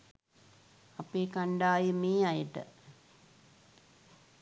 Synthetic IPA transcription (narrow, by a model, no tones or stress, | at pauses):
apeːkaɳɖaːjəmeːajəʈə̰